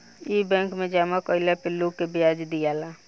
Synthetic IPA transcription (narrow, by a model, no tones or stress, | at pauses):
ibɛ̃ːŋkmẽd͡ʒaːmakɔɪlapɪlːukebɪjaːd͡ʒd̪ijaːla